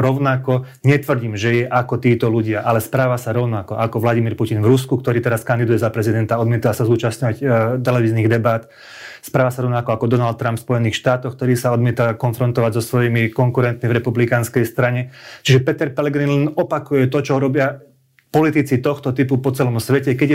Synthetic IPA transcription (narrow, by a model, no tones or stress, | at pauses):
ɾɔʊnakɔ | ɲɛt̪ʋr̩ɟiːmʒɛjɛʔakɔt̪iːt̪ɔluɟɪaʔalɛspɾaːʋasaɾɔʊnakɔʔakɔʋlaɟimiɾpucinvɾuskukt̪ɔɾiːt̪ɛɾaskand̪id̪ujɛzapɾɛzid̪ɛnt̪aɔd̪mɪɛt̪aasazuːt͡ʃasɲɔʋact̪ɛlɛʋiːzniːɣd̪ɛbat̪ | spɾaːʋasaɾɔʊnakɔakɔd̪ɔnalt̪̚ːɾampfspɔjɛniːxʃt̪aːt̪ɔxkt̪ɔɾiːsaɔd̪mɪɛt̪akɔnfɾɔnt̪ɔʋaɟzɔsʋɔjimikɔŋkuɾɛnt̪mivɾɛpublikanskɛjst̪ɾaɲɛt͡ʃiʒɛpɛt̪ɛɾpɛlɛɡɾinlɛnɔpakujɛt̪ɔt͡ʃɔɦuɾɔbɪa | pɔlit̪it͡sit̪ɔxt̪ɔt̪ipupɔt͡sɛlɔmsʋɛcɛkɛɟ